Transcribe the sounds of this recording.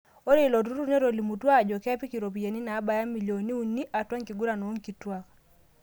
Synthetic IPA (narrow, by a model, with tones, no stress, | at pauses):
o˦ɾe˦˨lɔ˨tu˦ɾu˦ne˦ɾo˨li˨mu˨twa˦˨d͡ʒɔ˨kɛ˦pi˦ki˨ɾo˨p̬i˨je˨ni˦naː˨˦ba˨ja˦mi˨ljo˨ni˦u˦nːi˦ʔa˨twa˦ŋki˨ɡu˦ɾa˨no˨o˦ŋki˨twa˦k